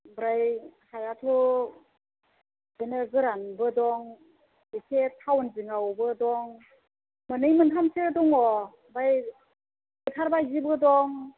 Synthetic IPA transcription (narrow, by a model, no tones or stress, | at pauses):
bɾajhajatʰu | benɯɡɯɾanbɯdɔŋ | esʰetʰawɯnziŋawɔbɯdɔŋ | mɯnɯjmɯntʰamsʰedɔŋɔ | baj | ɡɯtʰaɾbajzibɯdɔŋ